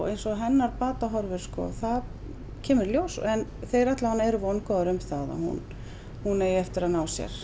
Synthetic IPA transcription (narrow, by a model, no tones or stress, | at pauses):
ɣejnsɔɦɛnːaɾpaːt̪aɦɔɾvʏɾ̥skɔ̰θað | cʰɛːmɪɾljowsɛnθejɾajt̪laanːɛɾʏvɔnkɔðʏɾʏmθaða̰hṵn | hunejɛft̪ɪɾaðnaːwsjɛ̰ɾ̥